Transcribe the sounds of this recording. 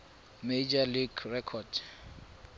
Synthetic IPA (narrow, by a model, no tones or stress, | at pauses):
med͡ʒaliɡrɛkʰɔd